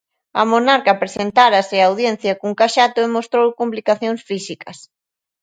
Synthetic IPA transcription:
ɐmonaɾkɐpɾesent̪aɾɐsɪaːwðjen̟θjɐkuŋkaʃat̪ʊemost̪ɾowkumplikaθjoŋsfisikɐs

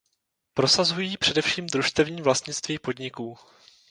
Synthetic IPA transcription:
pɾo̞sazujiːpr̥ɛdɛfʃiːmd̪ɾuʃst̪ɛvɲiːvlast̪ɲɪt͡st̪viːpo̞dɲɪkuː

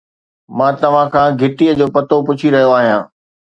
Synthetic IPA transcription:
mãːt̪ɐʋ̤ãkʰãːɡʱɪʈijəd͡ʑoːpɐt̪opʊt͡ɕʰiɾɐɦijoaːɦijãː

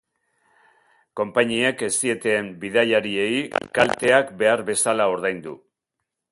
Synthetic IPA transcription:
ko̞mpaɲie̞ke̞sie̞t̪eːmbiðajaɾie̞jkalt̪e̞akbe̞aɾβe̞salao̞ɾð̞ajnd̪u

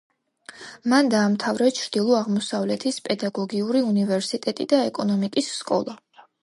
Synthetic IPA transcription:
mand̪aːmt̪ʰavɾɛt͡ʃʰɾd̪̥ilˠɔaʁmɔsavlɛt̪ʰispʼɛd̪aɡɔɡiuɾiunivɛɾsit̪ʼɛt̪ʼḭd̪aɛkʼɔnɔmikʼisːkʼɔ̰lˠa

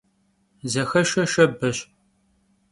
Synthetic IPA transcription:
zɐxɐʃɐʃɐbɐɕ

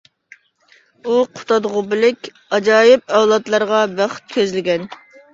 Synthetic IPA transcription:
uqʰʊ̥t̪ɑd̪ʁʊbɪlɪkʲ | ɑd͡ʒɑːjɪp̚ɛwlˠɑt̪lˠɑɾʁɑbæχt̪̚kʲʰøzlɪɡʲɛn

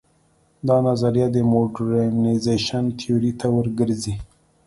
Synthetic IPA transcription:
d̪ɑnazaɾjɑd̪əmoɖaɾamnazeʃant̪ʰioɾit̪ʰawəɾɡəɾzi

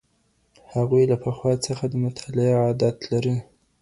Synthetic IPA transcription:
haɣujlapaxwɑt͡səxad̪əmʊt̪ʰɑlɪaad̪at̪laɾi

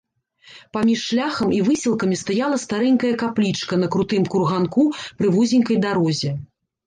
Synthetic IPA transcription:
pamʲiʂːlʲaxɐmivɨsʲilˠkɐmʲist̪ajalˠɐst̪aɾɛŋʲkɐjɐkaplʲit͡ʂkɐn̪ɐkɾut̪ɨmkurɣankupɾɨvuzʲinʲkɐjd̪aɾɔzʲɛ

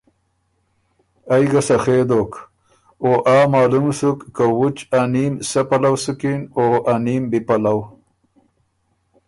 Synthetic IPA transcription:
ajɡasaxed̪oːk | oːʔaːmaːlumsukːawut͡ʃanimsapalawsukinoʔanimbipalaw

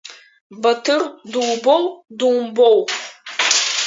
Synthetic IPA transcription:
bɐtʰɨrduwbowdumbow

